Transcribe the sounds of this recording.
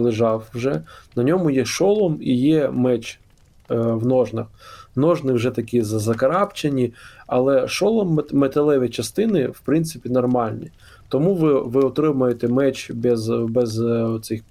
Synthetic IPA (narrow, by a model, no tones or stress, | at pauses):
lˠɪʒɑwʒɛnɐnʲɔmʊjɛʃɔlˠɔmijɛmɛt͡ʃ | ʋnɔʒnɐxnɔʒnɪwʒɛt̪ɐkʲizɐzɐkɐɾɑpt͡ʃenʲiɐlˠɛʃɔlˠɔmːet̪ɐlˠɛʋʲɪt͡ʃɐst̪ɪnɪwpɾɪnt̪sɪpʲinɔrmɑlʲnʲi | t̪ɔmuʋɪʋɪɔt̪ɾɪmɐjet̪ɛmɛt͡ʃbɛzbɛzɔt̪sɪx